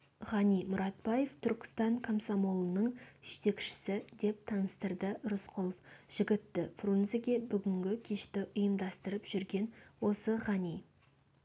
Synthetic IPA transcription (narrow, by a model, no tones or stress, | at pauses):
ʁɑnijmʊɾɑt̪̚bɑje̞ft̪ʰʏɾkʲɪ̥st̪ɑɴkʰomsomolˠənəɴʒ̥ʏt̪e̞kʃɪ̥sɪd̪e̞p̚t̪ʰɑnəst̪əɾd̪əɾʊsqʰolˠofʒ̥ɪɡʲɪt̪ːɪfronzeɡʲe̞bʏɡʲɪŋɡʲɪkʲʰe̞ʃt̪ɪʔʊjəmd̪ɑst̪əɾəpʒ̥ʏɾɡʲe̞nwo̞səʁɑnij